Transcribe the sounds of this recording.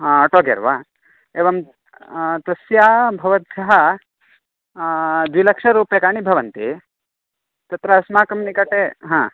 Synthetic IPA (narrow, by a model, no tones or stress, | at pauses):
ɦãɐʈoːɡḛɾʋaː | eːʋɐm | t̪ɐsjaːbʱɐʋɐt̪sɐɦɐ | d̪ʋilɐkʂɐɾuːpjɐkaːɳibʱɐʋɐnt̪i | t̪ɐt̪ɾɐɐsmaːkɐmnikɐʈeɦãː